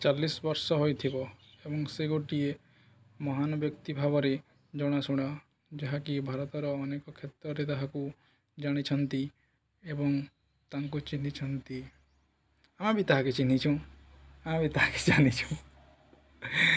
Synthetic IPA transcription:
t͡ʃalːisbɔɾsɔɦojt̪ʰibɔ | ebɔŋseɡoʈie | mɔɦanɔbjɔkt̪ibʱabɔɾe | d͡ʒɔɽ̃asuɽ̃a | d͡ʒeɦakibʱaɾɔt̪ɔɾɔːnekɔkʰet̪ɾɔɾet̪aɦaku | d͡ʒaɽ̃it͡ʃʰɔnt̪i | ebɔŋ | t̪aŋkut͡ʃinit͡ʃʰɔnt̪i | amabit̪aɦaket͡ʃinit͡ʃʰũ | amabʱit̪aɦake̥d͡ʒanit͡ʃʰũ

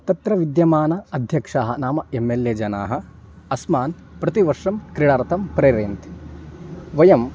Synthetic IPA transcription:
t̪ɐt̪ɾɐʋid̪jɐmaːnɐɐd̪ʱjɐkʂaːɦɐnaːmɐemːeljeːd͡ʒɐna̰ːɦɐ̆ | ɐsmaːn | pɾɐt̪iʋɐɾʂɐmkɾiɽaːɾt̪ʰɐmpɾeɾeːnt̪ | ʋɐjɐm

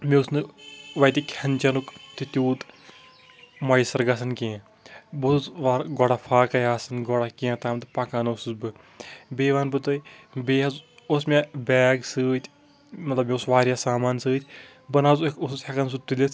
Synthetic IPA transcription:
meʊsnɨʋɐt̪ikʲʰɐnʲt͡ʃɐnukt̪it̪ʲuːt̪ | mɐjisɐɾɡɐsɐnkiã | buszʋaɾɡɔɽafʰaːkɐjaːsɨnɡoɽakĩãt̪aːmt̪ɨpɐkaːnɨusɨzbɨ | beːʋaːnbɨt̪ɨibeːɦɐz | osmʲebʲaːɡsɨːt̪ʰʲ | mɐt̪lɐbmeʊsʋaːɾʲjasaːmaːnsɨːt̪ʲʰ | bɐnaːzkusɨshʲɐkɐns̬ut̪ulʲɐs

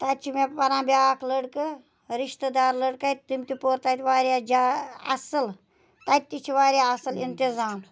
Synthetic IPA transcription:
t̪ɐt͡ʃʰimepɐɾãːbʲjaːkʰləɽkɨ | ɾiʃt̪əd̪aːɾləɽkɐjt̪umt̪ʲipoɾt̪ɐt̪ʲʋaːɾjad͡ʒaɐ̰sɨl | t̪ɐt̪ːit͡ʃʰiʋaːɾjaɐsɨlint̪izaːm

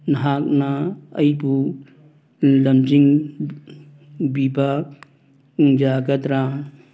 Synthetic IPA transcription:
nɐɦak̚naɐjbu | lɐmd͡ʒiŋ | biba | uŋd͡ʒaɡɐt̪ɾa

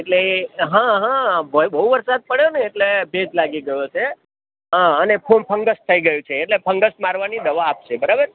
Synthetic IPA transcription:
eʈleɦãɦãbəbəɦuʋəɾsad̪̚pəɽjoneːʈlebed͡ʒlaɡiɡəjot͡ʃʰe | ɦãənepʰonpʰə̃ŋɡəʃt̪ʰəiɡəjũt͡ʃʰeːʈlepʰəŋɡəsmaɾʋanid̪əʋaːpʃebəɾabəɾ

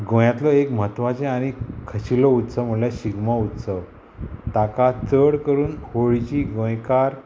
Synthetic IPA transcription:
ɡõjãt̪lɔekm̤ət̪ʋat͡ɕẽaɽ̃ikʰəɕilɔut̪səm̤əɳljaɕiɡmaut̪səʋ | t̪akat͡səɽkəɾuːnhoɭt͡ɕiːɡõjkaɾ

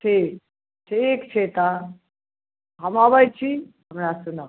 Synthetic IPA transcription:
t͡ʃʰe | t͡ɕʰeekt͡ɕʰet̪a | ɦamaʋajt͡ɕi | ɐmɽasuna

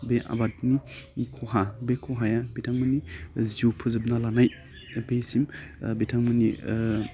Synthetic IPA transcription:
beʔa̰bat̚nikʰɔɦabekʰɔɦajabetʰaŋmɯniziupʰɯzɯbnalanaj | besimbetʰaŋmɯnḭ

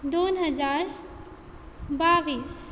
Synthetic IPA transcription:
d̪onɦəd͡ʒaɾ | babis

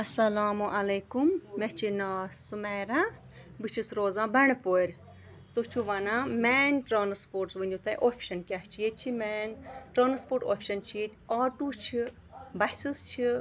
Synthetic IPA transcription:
ɐsɐlaːmuʔɐleːkumːɛt͡ʃʰinaːsumɛːɾãː | bɨt͡ʃʰisɾoːzãːbɐɳpoːɾʲ | t̪ot͡ʃʰuʋanãːmɛːnʈɾaːnspoːɾʈsʋənʲd̪ʲut̪ɐʔoːpʰʃɐnkʲaht͡ʃʰijet͡ʃʰimɛːnʈɾãːnspoːʈo̰ːpʰʃɐnt͡ʃʰijet̪ʲʰaːʈuːt͡ʃʰi | bɐsist͡ʃʰi

